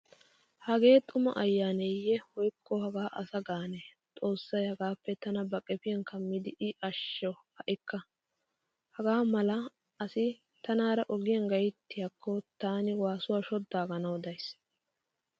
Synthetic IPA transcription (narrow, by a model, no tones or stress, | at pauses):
hɐɡe̞ːt̪ʼʊmɐ̰ʔɐjːaːnejːɛhɔjkʰːɔhɐɡaːʔɐsɐɡaːnɛt̪ʼo̞ːsːɐjhɐɡaːpːɛt̪ɐnɐbɐkʼɛpɪjɐnkʰɐmːɪd̪ɪʔɪʔɐʃːɔ | hɐʔɪkːɐ | hɐɡaːmɐlɐ | ɐsɪ | t̪ɐnaːɾɐʔɔɡɪjɐnɡɐjt̪ːɪjakʰːɔt̪aːnɪwaːsʊwaːʃɔd̪ːaːɡɐnɐwd̪ɐjs